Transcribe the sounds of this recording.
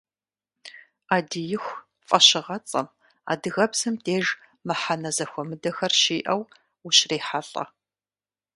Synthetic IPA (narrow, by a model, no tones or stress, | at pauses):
aːdijɪxʷ | fʼɐɕɪʁɐt͡sʼɐ̰m | a̰ːdɨɣɐbsɨmtʰeːʒ | mɨħanɐzɐxʷɔmɨdɐxɐrʃiːʔɐw | uɕreːħaɬʼɐ̰